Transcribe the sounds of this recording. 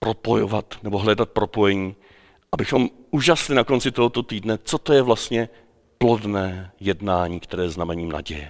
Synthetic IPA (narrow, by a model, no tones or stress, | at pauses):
pɾo̞po̞jo̰vat̪nɛboɦlɛdat̪̚pɾo̞po̞jɛɲiː | ʔabɪxo̞mʔuːʒaslɪnako̞nt͡sɪt̪o̞ɦot̪o̞t̪iːdnɛt͡so̞t̪ojɛvlast̪ɲɛ | plo̞dnɛːjɛdnaːɲiːkt̪ɛɾɛːjɛznamɛɲiːmna̰ɟɛjɛ